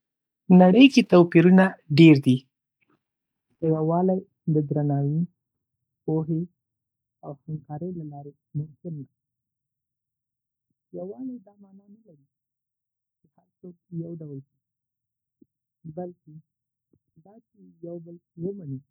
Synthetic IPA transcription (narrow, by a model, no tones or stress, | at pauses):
naɽəjket̪awpiɾunaɖeɾd̪i | dawawɑlaj | d̪əd̪ɾanɑwi | poɦe | awhamkɑɾəjlalɑɾe | mʊmkɪlːak | jawɑlid̪ɑmɑnɑnalaɾi | pəhalsok̚jawɖawlka | balke | d̪ɑt͡ʃejawbəlwəmani